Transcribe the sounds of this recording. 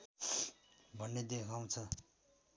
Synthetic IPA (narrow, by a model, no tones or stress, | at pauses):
bʱʌnːed̪ekʰaw̃t͡sʰʌ